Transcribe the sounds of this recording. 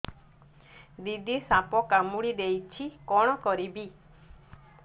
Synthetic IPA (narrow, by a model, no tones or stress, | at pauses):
d̪id̪isapɔkamuɽid̪ejt͡ʃʰikɔɽ̃ɔkɔɾibi